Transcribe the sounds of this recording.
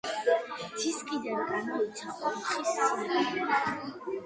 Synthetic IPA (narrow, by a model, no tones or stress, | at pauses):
d̪z̥iskʼid̪anɡamɔit̪sʰaχʼɔlχisɛ